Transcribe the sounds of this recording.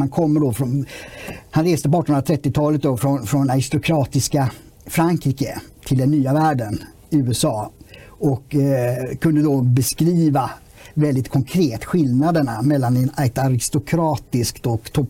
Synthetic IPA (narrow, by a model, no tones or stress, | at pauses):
hankʰɔmːəɖɔfɾɔn | hanɾeːst̪əp̬ɔɑːʈːɔnɾat̪ʰɾɛt̪ːɪt̪ʰɑːlət̪̚d̪ɔfɾɔnfɾɔnaɾɪst̪ʊkʰɾɑːt̪ɪska | fɾaŋkʰɾiːkət̪ʰɪld̪ɛnːyːavæːɖən | ɪʉːɛsɑːɔkːkʰːɵnd̪əd̪ɔbɛskɾiːva | vɛld̪ɪt̪kʰɔŋkʰɾeːt̪ɧɪlnad̪əɳamɛlːanɛnat̪aɾɪst̪ʊkʰɾɑːt̪ɪskt̪ɔkt̪ʰɔp